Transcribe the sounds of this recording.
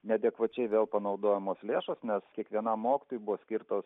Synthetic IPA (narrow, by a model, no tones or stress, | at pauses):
nʲɛd̪ʲɛkʋɐt͡ʃʲɛɪʋʲeːlˠpɐnɐʊd̪oːjɛmoːslʲeːʃoːsnʲɛskʲiɛkʋʲiɛnɑmːoːkʲɪ̥t̪oːjubʊʋoːsʲkʲɪrt̪oːs